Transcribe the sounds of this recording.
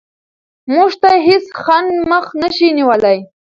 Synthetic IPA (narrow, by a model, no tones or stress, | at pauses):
muʐt̪ajɦɪsxanməxnəʃiniwəlaj